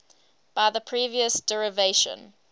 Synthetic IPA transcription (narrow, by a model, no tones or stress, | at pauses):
b̥aɪðəpʰɹ̥iːviəsd̥ɛɹɪveɪʃə̰̃n